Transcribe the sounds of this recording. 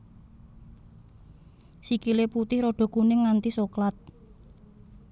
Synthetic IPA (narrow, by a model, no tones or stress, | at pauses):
sikileput̪ɪhɾoɖ̥o̤kunɪŋːant̪isoklat̪̚